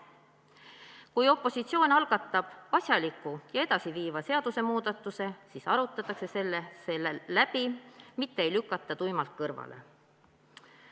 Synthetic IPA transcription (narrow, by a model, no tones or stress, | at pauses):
kujo̞pˑːo̞sit̪sio̞ːnʲɑlɡ̥ɑt̪ˑːɑb̥ɑsʲjɑlikːˑujɑe̞d̪̥ɑsiviːvɑse̞ɑd̪̥use̞muːd̪ɑt̪ːˑuse̞siːsɑɾut̪ːˑɑt̪ːˑɑkse̞se̞lːesellæb̥imit̪ːe̞ejlykːˑɑt̪ˑːɑt̪ujmɑlt̪̚kɤrvɑ̰le̞̰